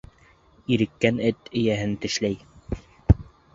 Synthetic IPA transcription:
iɾɘ̆kːænɘt̪ɘ̆jæɦɘnt̪ɘ̆ʃlæj

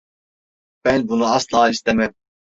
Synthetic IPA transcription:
b̥ɛnbunuɑslɑːist̪ɛmɛm

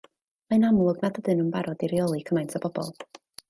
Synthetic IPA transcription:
maɨnamlˠʊɡnadədɨnəmbaɾɔdiɾiɔlˠikʰəmajntʰɔbɔb̥ɔ̰lˠ

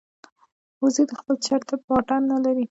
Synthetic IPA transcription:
uzid̪əxpəlt͡ʃaɾt̪ab̚ɑʈanːalaɾi

